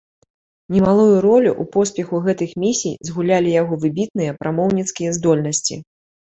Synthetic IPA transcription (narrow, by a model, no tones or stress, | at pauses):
nʲɛmalˠujuɾɔlʲuʔupɔspʲɛxuɣɛt̪ɨxmʲisʲijzɣulʲalʲijaɣɔvɨbʲit̪nɨjɐpɾʔamɔwnʲit̪skʲijɐzd̪ɔlʲnɐsʲt͡sʲḭ